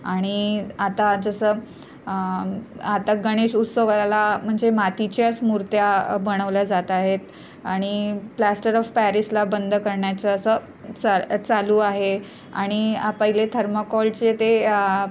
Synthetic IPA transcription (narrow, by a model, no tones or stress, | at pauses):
aɽ̃iat̪ad͡zəsəː | at̪aɡəɽ̃eɕut̪səʋalam̤əɳd͡zemat̪it͡ɕjasmuɾt̪jabəɽ̃əʋləd͡zat̪aɦet̪ | aɽ̃iplæsʈəɾɔfpæɾislabənd̪ʱkəɾɳjat͡səːsə | t͡sat͡saluaɦe | a̰ɽ̃ipəɦilet̪ʰəɾməkɔlt͡set̪e